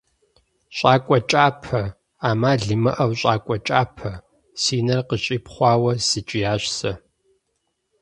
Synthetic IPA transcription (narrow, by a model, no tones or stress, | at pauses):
ɕʼaːkʷʼɔt͡ʃʼaːpʰɐ | aːmaːɮɨmɨ̰ʔɐwɕʼaːkʷʼɔt͡ʃʼaːpʰɐ | siːnɐrqəɕʼiːpχʷɑːwɐsɨt͡ʃʼɪjaːɕsɐ